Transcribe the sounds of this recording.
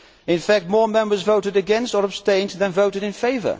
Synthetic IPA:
ɨ̃nfæk̚t̚mɔɹmɛ̃mbə˞zvoʊɾɨɾɨɡɛ̃nstə˞əb̥stẽɪ̃nðɨ̃nvoʊɾɨɾɨ̃nfeɪvə̰˞

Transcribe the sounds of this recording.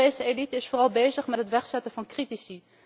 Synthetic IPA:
ejsəelitəɪsfoːrɑlˠbejzəχmɛtɦətʋɛχsɛtəvɑnkritisi

